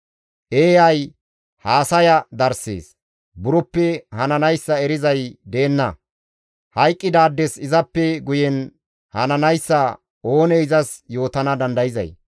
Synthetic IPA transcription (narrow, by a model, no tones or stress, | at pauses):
ʔeːjɐj | haːsɐjɐd̪ɐɾsḛːs | bʊɾɔpːɛhɐnɐnɐjsːɐɛɾɪzɐjd̪e̞ːnːɐ | hɐjkʼːɪd̪aːd̪ːɛsɪzɐpːɛɡʊjɛn | hɐ̰nɐnɐjsːɐ | o̞ːneɪzɐsjo̞ːt̪ɐnɐd̪ɐnd̪ɐjɪzɐ̰j